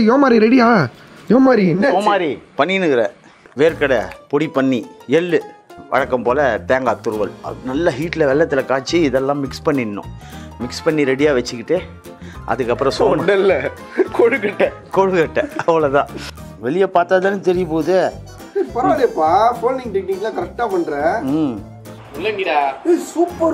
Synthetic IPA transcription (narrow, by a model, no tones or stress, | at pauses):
joːmaːɾiɾɛɽɪjaː | joːmaːɾiɛnːɐoːmaːɾipɐɳːɪnɯkɪɾɐ | ʋeːɾkɐɽɐpɔɽipːɐɳːiɛlːɯʋʔɐ̰ɻɐkːɐmpoːlɐt̪eːŋɡaːt̪ːʊɾɯʋɐlnɐlːɐɦiːʈːlɐʋɛɭːɐt̪ːɪlɐkaːt͡ʃːiɪðɛlːãːmɪkspɐɳːɪnːʊ̰̃mɪkspɐɳːiɾɛɽɪjaːʋɐt͡ʃːɯkːɪʈːɯ | ʔɐ̰ðɯkːɐpːɯɾɔ̃sɔɐnɐɪlːɐ | koɻɯkɐʈːɐ | koɻɯkɐʈːɐɐʋɐɭot̪ã̰ː | ʋɛɭɪjɐpaːɾt̪aːðɐːnːɯt̪ɛɾɪjɐpoːðɯ | sɐɾpɐɾɐaːlɪjɐpːaːfoːlniŋɡʈekniŋɡɐlãkɐɾɛk̚ʈaːpɐɳːɾẽm | ɪlːɐŋɡɪasuːpːɐɾ